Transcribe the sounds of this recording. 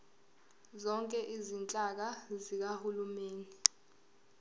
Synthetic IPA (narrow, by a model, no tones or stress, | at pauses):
zɔŋkʼɛʔizint͡ɬʼak̬azik̬ahulumeːni